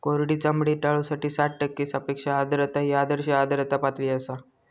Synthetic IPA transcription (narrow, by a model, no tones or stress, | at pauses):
koɾɽiːt͡səmbɽiːʈaɭusaʈiːsaʈʈəkːiːsapekʂaːd̪ɾət̪aɦiad̪əɾɕaːd̪ɾət̪apat̪ɽiːəsa